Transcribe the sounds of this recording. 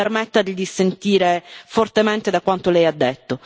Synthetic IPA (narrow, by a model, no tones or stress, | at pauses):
ermɛt̪ːad̪id̪isent̪iːɾefort̪ement̪ed̪akːwant̪olɛjad̪ːet̪ːo